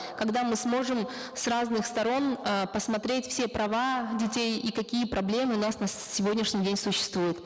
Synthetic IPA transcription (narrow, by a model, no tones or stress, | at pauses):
kɐɡd̪amɨsmo̞ʐɨm | sraznɨxst̪ɐɾo̞nəpəsmɐt̪ɾʲetʲfsʲe̞pɾɐvadʲɪtʲejikɐkʲijəpɾɐblʲe̞mɨʊnasnəsʲɪvʲodʲnʲɪʂnʲɪjdʲenʲsʊɕːɪ̥st̪vujʊt̪